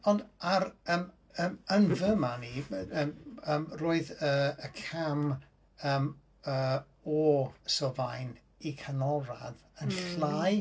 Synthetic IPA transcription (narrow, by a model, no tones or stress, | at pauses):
ɔndaɾəːm | əmənvəmaniəməːmroːɨðəːəkʰam | əːm | əː | ɔsɔvajn | ikʰanɔɾaðənɬlˠaj